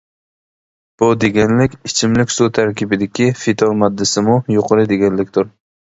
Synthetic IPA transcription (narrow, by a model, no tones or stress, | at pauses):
b̥ud̪eɡʲɛnlɪkʲɪt͡ʃʰɪmlɪkʲsut̪ʰæɾkʲɪbɪd̪ɪkʲʰifɪt̪ʰomɑd̪ːɪsɪmʊjoqʰɨɾɨd̪eɡʲɛnlɪkʲt̪ʰʊɾ